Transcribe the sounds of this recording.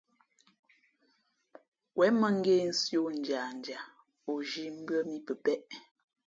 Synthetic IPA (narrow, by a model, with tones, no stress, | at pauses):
wʔɛ˨˦mə˦˨ŋ̩˦ɡe˦n̩˦sjo˦n̩˨d͡ʒa˨n˨d͡ʒa˨ | o˨ʒi˨˦m̩˦bɰə˦mi˦pə˨pɛ˦ʔ